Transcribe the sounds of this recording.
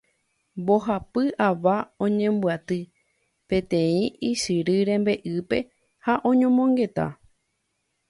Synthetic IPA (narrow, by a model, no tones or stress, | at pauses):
mboɦapɨʔaʋaõɲẽ̞mbɨat̪ɨ | pẽ̞t̪ẽ̞ĩʔiʃɨɾɨɾẽ̞mbe̞ʔɨpe̞ | haʔõ̞ɲõmõ̞ŋɡe̞t̪a̰